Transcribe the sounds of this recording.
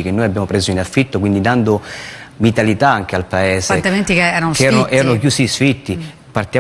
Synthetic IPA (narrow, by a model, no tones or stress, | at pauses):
ik̟enːoːjabːjaːmopɾeːzoinafːit̪ːokwind̪id̪and̪ovit̪alit̪aaŋk̟ealpaɛːset̪ement̪ikeɛːɾanokɛːɾanoʔɛːɾanokjuːsisfit̪ːi | part̪ija